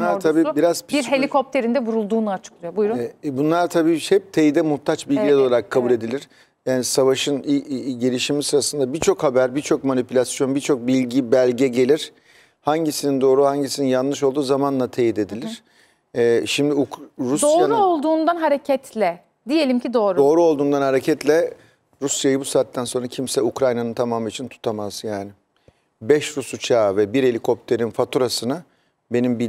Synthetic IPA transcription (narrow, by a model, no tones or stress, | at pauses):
bunˠaɾt̪ʰabiːbiɾaz̥pʰibiɾhe̞lʲiko̞p̚t̪ʰeɾind̪ɛvuɾulˠd̪uːnuat͡ʃʰɯ̥klˠɯjobujɾubunlˠaɾt̪ʰabiːhɛp̚t̪ʰejid̪ɛmuht̪ʰat͡ʃbilʲɟilʲɛd̪o̞lˠaɾakʰːabulʲe̞d̪ilʲiɾ̥ | jaːnisavaʃɯnɟelʲiʃimisɯɾasɯnd̪abit͡ʃʰo̞khabæɾbit͡ʃʰo̞kmanipylʲasjo̞nbit͡ʃʰo̞k̚bilʲɟibælʲɟɛɟe̞lʲiɾ̥ | haɲɟisinind̪o̞ːɾuhaɲɟisininjanlˠɯʃolˠd̪uːzamanlˠat̪ʰejid̪e̞d̪ilʲiɾ̥ | ʃimd̪iuɾusd̪oːaɾolˠd̪uːnd̪anɦaɾecʰɛt̪ʰlʲɛ | d̪ije̞lʲimcid̪o̞ːɾud̪o̞ːɾuo̞lˠd̪uːnd̪anhaɾe̞cʰɛt̪lʲɛ | ɾusjajɯbusaːt̪ːænso̞nɾacʰimsɛukɾajnanɯnt̪ʰamaːmit͡ʃʰint̪ʰu̥t̪ʰamaz̥jaːnɪ | bɛʃɾusut͡ʃʰaːvɛbiɾe̞lʲikʰo̞p̚t̪ʰe̞ɾinfat̪ʰuɾasɯna | be̞nimbi